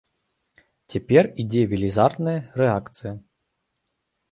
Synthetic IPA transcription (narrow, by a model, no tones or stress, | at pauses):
t͡sʲɛpʲɛrid͡zʲɛvʲilʲizart̪nɐjɐrɛakt̪sɨjɐ